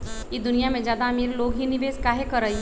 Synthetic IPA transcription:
jid̪ʊnijamẽd͡ʒjaːd̪ameːɾloːɡɦinɪʋeːskaːɦekɐɾːɐiɦ

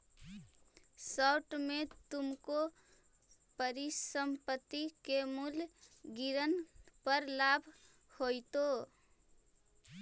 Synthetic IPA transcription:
sɔʊʈmet̪umko | pəɾisəmpət̪ːikemulɡiɾənpəɾlabʱ | hojt̪o

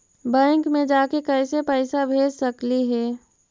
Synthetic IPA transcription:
bɛ̃ːŋkmẽd͡ʒaːkekɛɪsepəɪsabʱeːd͡ʒsəkliɦɛː

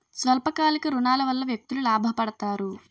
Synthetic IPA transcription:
sʋɐlpɐkaːlikɐɾunaːlɐʋɐlːɐʋjek̚t̪ululaːbʱɐpɐɽɐt̪aːɾu

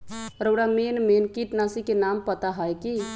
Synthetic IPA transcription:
ɾəːɽamenmenkiʈnasikenampət̪aɦəjki

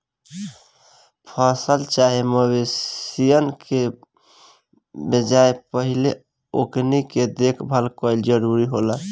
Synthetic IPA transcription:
pʰəsəlt͡ʃaɦeməwesijənke | bed͡ʒaepəɦile | okniked̪ekʰbʱəlkɔɪld͡ʒəɾuɾiɦola

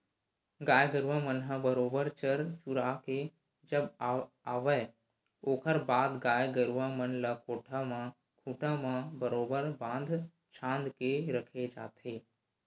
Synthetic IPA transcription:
ɡaːjɡəɾuʋãmənɦə̃bəɾoːbəɾt͡ʃəɾt͡ʃʊɾaːke | d͡ʒəb | aːʋə | oːkəɾbaːd̪ɡaːjɡəɾuʋãmənləkoːʈʰamã | kʰuːʈʰãmãbəɾoːbəɾbãːnd̪ʱ | t͡ʃʰãːnd̪keɾəkʰed͡ʒa̰ːt̪ʰeː

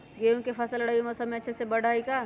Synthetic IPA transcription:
ɡeũkepʰəsəlɽauməsəbmeətːʃʰesebəɽʱaːika

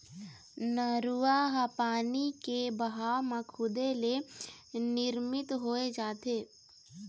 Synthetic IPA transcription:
nəɾʊaɦapaːnikebɐɦaːmãkʰʊd̪ele | nɪɾmɪt̪ɦoːed͡ʒaːt̪eː

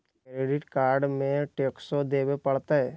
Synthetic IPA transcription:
kɾeːɖɪʈkaːɾɖmẽʈeːksod̪eːbepɐɽt̪aɦɛː

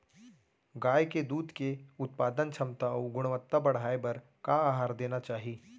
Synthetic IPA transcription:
ɡaːjked̪uːd̪keʊt̪̚paːd̪ənt͡ʃʰɐmt̪aɔːɡʊɽ̃ʋət̪ːabɐɽ̤aːebɐɾ | kaaːɦaːɾd̪eːnat͡ʃaːɦiː

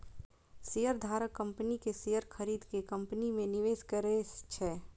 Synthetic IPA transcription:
sijəɾd̪ʱaːɾəkːə̃mpənikesijəɾkʰəɾiːd̪kekɐ̃mpnimẽnɪʋeːskəɾet͡ʃʰɛː

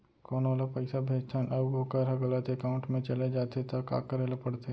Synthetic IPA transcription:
kɔːnʋaːlapɐɪsabʱeːd͡ʒt̪ʰaɦɛnʔɐbɡoːkəɾɦɐɡɐlət̪ekaːʊ̃ɳʈmẽt͡ʃɐled͡ʒaːt̪et̪ɐka̰ːkəɾeːlepɐɽt̪e

